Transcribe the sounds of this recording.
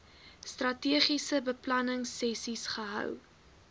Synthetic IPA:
strɐtiəχisəbəplɐnəŋsɛsisχəɦœ̰w

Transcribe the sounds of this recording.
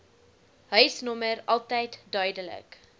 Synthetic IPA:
ɦœɥsnɔməɾɐlˠtəjtdœɥdələ̰k

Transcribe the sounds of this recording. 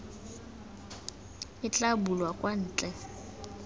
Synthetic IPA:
ɪt͡ɬʼabulwakʼwan̩ːt͡ɬʼɛ

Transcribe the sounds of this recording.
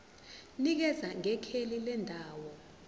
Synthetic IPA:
nik̬ɛzaŋɛkʰelilɛndʱaːwɔ

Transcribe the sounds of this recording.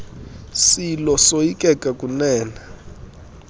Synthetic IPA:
silɔsoikʼɛkʼakʼunɛːna

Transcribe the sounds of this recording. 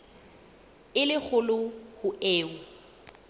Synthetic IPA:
ɪlɪk͡xʰʊlʊhʊeːʊ

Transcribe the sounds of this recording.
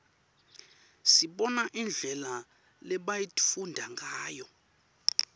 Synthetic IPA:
siɓɔnaʔind͡ɮʱɛla | lɛɓajitʰʼfundʱaŋɡaːjɔ

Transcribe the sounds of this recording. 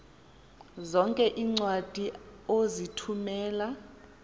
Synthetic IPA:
zɔŋkʼɛʔiːŋ͡ǀwad̥ʱiozitʰumɛːla

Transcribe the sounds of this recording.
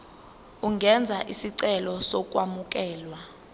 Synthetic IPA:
uŋɡʱɛnd͡zʱaʔisiǀɛlɔsɔk̬ʼwamuk̬ʼɛːlwa

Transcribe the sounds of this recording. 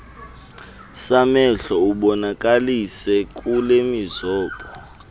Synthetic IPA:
samɛɬɔuɓɔnak̬ʼalisɛk̬ʼulemizɔːɓɔ

